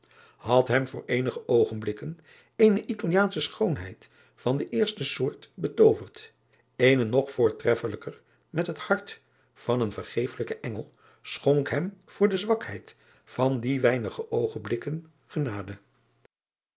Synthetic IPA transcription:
hɑtɦɛmvʊːɹejnəχəʔowχənblɪkən | ejnəʔitɑlˠijaːnsəsχownɦɛ̰jt | fɑndəʔɪːɹstəsʊːɹtbətowvərt | ejnənɔχfʊːɹtrɛfələkər | mɛtɦəthɑɹt | fɑnənvəɹχejfələkəʔɛŋəlˠ | sχoŋkɦɛmv̥ʊːɹdəzʋɑkhɛjt | fɑndiʋɛjnəχəʔowχənblɪkən | χənaːdə

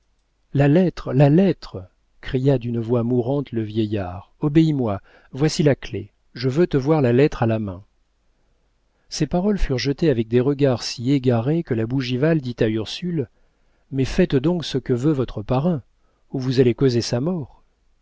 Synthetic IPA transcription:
lalɛt̪χlalɛt̪χə | kχijad̪ynvwamuʁɑ̃t̪ləvjɛjaʁɔbeimwa | vwasilaklḛ | ʒəvøt̪əvwaʁlalɛt̪χalamɛ̃ | sepaʁɔlfyʁʒət̪eavɛk̚d̪eʁəɡaʁsieɡaʁekəlabuʒivald̪it̪ayʁsyl | mɛfɛt̪d̪ɔ̃ksəkəvøvɔt̪χəpaʁɛ̃ | uvuzalekozesamɔːʁ

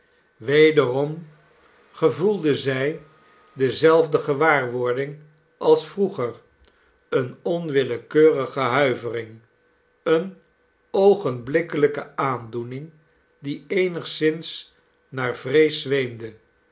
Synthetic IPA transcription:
ʋejdərɔm | χəvulˠdəzɛj | dəzɛlˠvdəχəʋaːɹʋʊɹdɪŋ | ʔɑlˠsfruχər | ənɔnʋɪləkøːrəχəɦœɥvərɪŋ | ən | owχənblɪkələkəaːndunɪŋ | diejnəχsɪns | naːɹv̥rejsʋejmdə

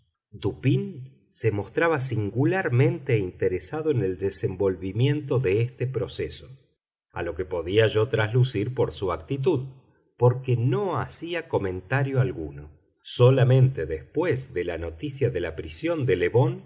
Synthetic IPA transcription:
d̪upin | semo̞st̪ɾaβas̬iŋɡulaɾmẽ̞nt̪eint̪eɾesaðoeneld̪esembo̞lβimje̞nt̪o̞ðeest̪epɾo̞seso̞̥ | a̰lo̞kepo̞ðiaʒo̞t̪ɾaslusiɾpo̞ɾsuak̚t̪it̪̬uð | poɾkeno̞asiako̞mẽ̞nt̪aɾjo̞alɣuno | so̞lamẽ̞nt̪eðespwezðelano̞t̪isjaðelapɾisjo̞nd̪eleβo̞n

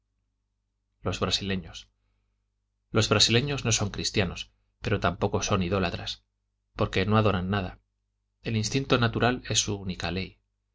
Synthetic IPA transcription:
lo̞zβɾasile̞ɲo̞s | lo̞zβɾasile̞ɲo̞zno̞so̞ŋkɾist̪jano̞s | pe̞ɾo̞t̪ampo̞ko̞so̞niðo̞lat̪ɾas | po̞ɾke̞no̞aðo̞ɾanːað̞a̰ | e̞linst̪int̪o̞nat̪uɾale̞sːuunikale̞j

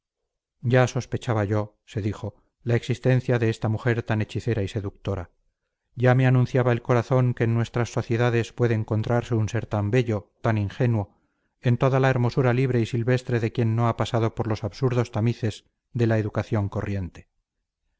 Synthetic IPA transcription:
ɟ͡ʝaso̞spe̞t͡ʃaβaʝo̞ | se̞ðixo̞ | laeksist̪e̞n̟θjaðeest̪amuxe̞ɾt̪ane̞t͡ʃiθe̞ɾaise̞ðuk̚t̪o̞ɾa | ɟ͡ʝame̞anũnθjaβae̞lko̞ɾaθo̞ŋke̞ːnːwe̞st̪ɾasːo̞θje̞ðaðe̞spwe̞ðeːŋko̞nt̪ɾaɾse̞unse̞ɾt̪ambe̞ʎo̞t̪aniŋxe̞nwo̞ | e̞nt̪o̞ðalae̞ɾmo̞suɾaliβɾe̞isilβe̞st̪ɾe̞ðe̞kje̞nːo̞apasað̞o̞po̞ɾlo̞saβsuɾðo̞st̪amiθe̞z | ðe̞laeðukaθjo̞ŋko̞rje̞nt̪e̞̥

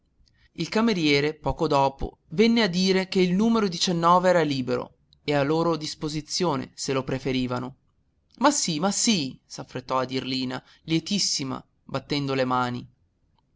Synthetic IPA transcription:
ilkameɾjɛːɾepɔːkod̪ɔːpo̰ | vɛnːead̪ːiːɾekeilnuːmeɾod̪it͡ʃɛnːɔːveɛːɾaliːbeɾo̰ | ealːoːɾod̪ispozit̪sːjoːnḛselopɾefeɾiːvano | masːimasisafɾet̪ːɔad̪irliːna̰ | ljet̪isːima̰ | bat̪ːɛnd̪olemaːni

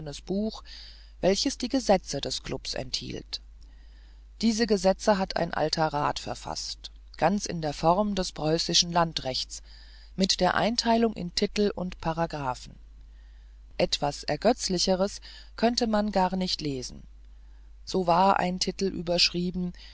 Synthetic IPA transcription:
ənəsb̥uːx | v̥ɛlçəsd̥iːɡəzɛt͡sədɛskʰl̥ʔʊpsʔɛ̰nthḭːlt | d̥iːzəɡəzɛt͡səɦatʰa̰ɪnʔa̰ltʰɐʁa̰ːtfɛɐfa̰st | ɡ̥ant͡sɪ̰ndeːɐfɔʁmdɛspʁ̥ɔʏsɪʃn̩lantʁɛçt͡s | mɪtd̥eːɐʔa̰ɪntʰaɪlʊŋʔɪ̰ntʰɪtl̩ʊ̰ntpʰaʁaɡʁaːfn̩ | ʔɛtv̥asʔɛɐɡœt͡slɪçəʁ̞əs | kʰœntəmanɡaːɐnɪçtleːzn̩ | z̥oːvaːɐʔa̰ɪntʰɪtl̩ʔy̰ːbɐʃʁ̥iːbm̩

